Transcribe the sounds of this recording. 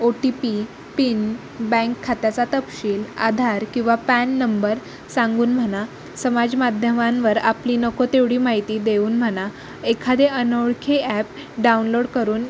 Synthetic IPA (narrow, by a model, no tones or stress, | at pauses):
oʈipi | pin | bɛ̃ŋkʰːat̪jat͡sat̪əpɕiːla̰d̪ʱaɾkĩw̃ʋapɛnːəmbəɾ | sãŋɡuːnm̤əña | səmad͡zmad̪ʱjəmãnʋəɾapliːnəkot̪eʋɽiːmaɦit̪iːd̪euːnm̤əɽ̃a | ekʰad̪eʔənəwɭkʰeæp̚ | ɖaunloɽkəɾuːn